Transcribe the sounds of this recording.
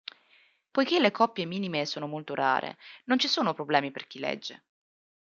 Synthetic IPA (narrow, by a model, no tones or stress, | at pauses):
pojk̟elːekɔpːjemiːnimesoːnomolt̪oɾa̰ːɾʔḛnont͡ʃisoːnopɾoblɛːmiperk̟ilɛ̰d͡ʒːḛ